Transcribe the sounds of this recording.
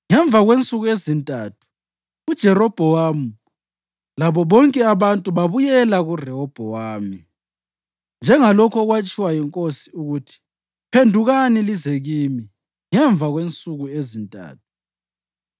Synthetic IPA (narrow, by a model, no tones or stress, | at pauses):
ŋɛɱb̪vʱaɣwent͡sʼuɣuezintʼaːtʰu̥ː | d̥ʒ̥ʱɛrɔb̥ʱɔwamu | laβɔβɔŋkʼɛaβantʼuβaβujɛlaɣurɛɔb̥ʱɔwaːmi | nd͡ʒʱɛŋalɔkʰɔɣwat͡ʃʼiwajiŋkʼosi̥uɣutʰi̥ | pʰendʱuɣanilizeɣimi | ŋɛɱb̪vʱaɣwent͡sʼuɣuezintʼa̰ːtʰu̥